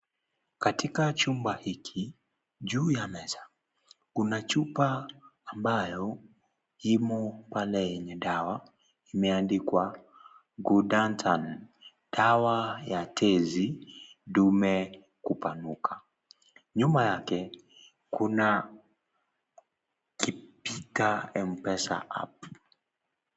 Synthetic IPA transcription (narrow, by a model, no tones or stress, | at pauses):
katʰikat͡ʃumbahikʰi | ʄuːjanɛzḁ | kunat͡ʃupaːmbajɔ | jimɔpalɛjɛɲɛɗawa | imɛandikwa | ɡudantʰan | d̥awajatʰɛzidumɛ | kupanukʰa | ɲumajakɛ | kuna | kipitaɛm̩pɛsa̰ʔa̰p